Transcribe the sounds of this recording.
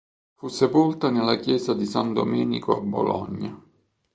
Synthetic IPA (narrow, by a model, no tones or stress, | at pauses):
fusːepolt̪anelːakjɛːzad̪isand̪omɛːnḭkoabːo̰lɔ̰ɲːa